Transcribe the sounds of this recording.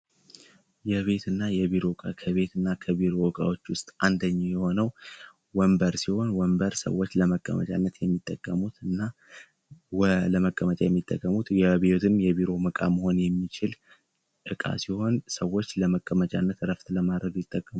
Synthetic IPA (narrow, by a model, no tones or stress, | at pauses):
jɛβe̞t̪ɨnːajɛβiɾo̞kʼakʰəβe̞t̪ɨnːakʰəβiɾo̞wkʼa̰wot͡ʃːwʊst̪ʼʔand̪əɲːajɛho̞nəw | wəmbəɾsiho̞nwəmbəɾsə̰wːo̞t͡ʃːləməkʼːə̰mə̰t͡ʃʼa̰nːət̪jɛmːit̪ʼːəkʼːəmut̪ɨnːa | wləməkʼːəmət͡ʃʼajɛmːit̪ʼːə̰kʼːəmut̪jɛbe̞t̪ʰɨmjɛβiɾo̞məkʼaməho̞njɛmːit͡ʃɪl | ʔɨkʼa̰siho̞nsəwːo̞t͡ʃːləməkʼːəmət͡ʃʼa̰nːət̪ɾəft̪ləmad̪ɾəɡjɪt̪ʼːəkʼːəmu